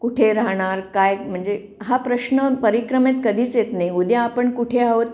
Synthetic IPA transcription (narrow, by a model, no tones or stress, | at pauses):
kuʈʰeɾaɦɽ̃aɾkajm̤əɳd͡ze | ɦapɾəɕnəpəɾikɾəmet̪kəd̪iːt͡sjet̪najud̪jaːpəɳkuʈʰeaʋot̪̚